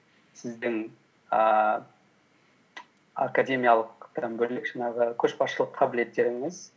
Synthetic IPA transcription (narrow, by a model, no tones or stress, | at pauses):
sɪzd̪ɪŋ | ə | a̰kadʲe̞mʲijalˠəqt̪ʰambɵlɪkʒ̥ɑɴɑʁəkʲʰɵʃpɑʃəlˠəqqʰɑbɪle̞t̪ːe̞ɾɪŋɪz